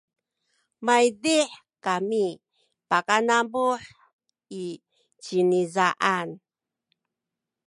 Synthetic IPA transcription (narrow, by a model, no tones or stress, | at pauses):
majdiħ | kami | pakanabuħ | i | t͡ɕinizaʔan